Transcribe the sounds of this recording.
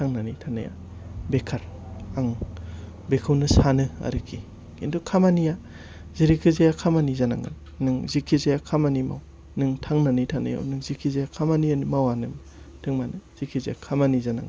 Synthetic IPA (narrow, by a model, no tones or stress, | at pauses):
tʰaŋnanitʰana̰ja̰ | bekʰaɾaŋ | bekʰɯwnɯsanɯa̰ɾɯkʰi | kindukʰamanija | ziɾikʰɯzajakʰamanizanaŋɡɯ̰n | nɯŋzikʰizajakʰamanima̰w | nɯŋtʰaŋnanitʰana̰ja̰wnɯŋzikʰizajakʰamanianimawanɯm | tʰɯŋmanɯz̥ikʰiza̰ja̰kʰamanizana̰ŋɡ